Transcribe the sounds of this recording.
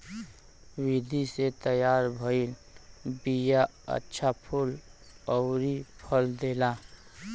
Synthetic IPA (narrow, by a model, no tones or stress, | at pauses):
wid̪ʱiset̪əjaɾbʱəilbija | ə̰tːʃʰapʰul | ɔʊɾipʰəld̪ela